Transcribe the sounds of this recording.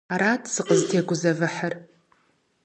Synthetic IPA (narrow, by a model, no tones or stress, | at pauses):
aɾaːtʰsɨqʼəztʰeːɡʷʊzɐvɨħar